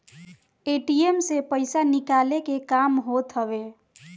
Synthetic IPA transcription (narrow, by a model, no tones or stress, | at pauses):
eʈiemsepəɪsanikalekekamɦot̪ɦəbe